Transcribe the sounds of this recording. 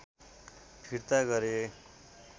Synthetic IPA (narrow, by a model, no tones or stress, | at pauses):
pʰiɾt̪aɡʌɾe